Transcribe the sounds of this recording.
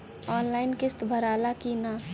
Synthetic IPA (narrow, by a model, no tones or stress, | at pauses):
ɔːnlaːɪnkɪst̪bʱəɾaːlakina